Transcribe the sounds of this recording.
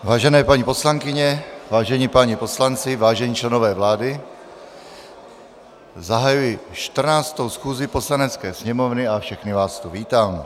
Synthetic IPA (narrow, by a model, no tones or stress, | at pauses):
vaːʒɛnɛːpaɲipo̞slaŋkɪɲɛvaːʒɛɲiːpaɲipo̞slant͡sɪvaːʒɛɲiːt͡ʃlɛnovɛːvlaːdɪ | zaɦajujɪʃt̪r̩naːt͡st̪owsxuːzɪposlanɛt͡skɛːsɲɛmovnɪafʃɛxnɪvaːst̪uviːt̪aːmɛ